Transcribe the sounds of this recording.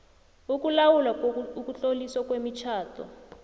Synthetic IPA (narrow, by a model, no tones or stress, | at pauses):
uk̬ulawulwaukut͡ɬoliswakwemit͡ʃʰaːtʰɔ̰